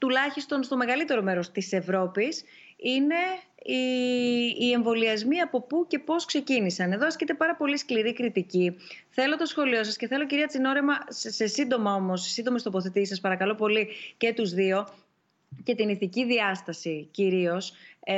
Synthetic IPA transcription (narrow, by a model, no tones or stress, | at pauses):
t̪ulɐçist̪o̞nst̪o̞me̞ɣɐlit̪e̞ɾo̞me̞ɾo̞st̪ise̞vɾo̞pis | ine̞ | iː | e̞ɱvo̞liɐzmiɐpo̞puce̞po̞skse̞cinisɐne̞ðoɐskcit̪e̞pɐɾɐpo̞liskliɾikɾit̪iciθe̞lo̞t̪o̞sxo̞lio̞s̬ɐsceθe̞lo̞c̬iɾiɐt͡sino̞ɾemɐse̞sind̪o̞mɐo̞mo̞ssind̪o̞mest̪o̞po̞θet̪isɐspɐɾɐkɐlo̞po̞lice̞t̪uzðio̞ | ce̞t̪iniθiciðiɐst̪ɐsiciɾio̞s